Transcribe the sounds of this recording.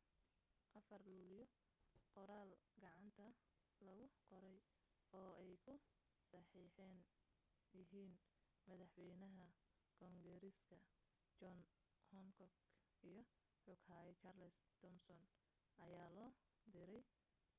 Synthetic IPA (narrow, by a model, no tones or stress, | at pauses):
ʔɐfɐrluːljɔ | qɔɾaːlɡɑʕɑnt̪ʰɐ | lɐɣʊqɔɾɛj | ɔːɛjkʰʊ | sɑħiːħɛn | jɪɦiːn | mɐðɑħwɛjnɐɦɐ | kʰɔŋɡɛɾɪskʰɐ | t͡ʃɔn | hɔŋkʰɔɡ | ijɞ | ħʊɡhaːɛjt͡ʃɐːrlɛst̪ʰɔmsɔn | ɐjaːlɔː | d̪ɪɾɛj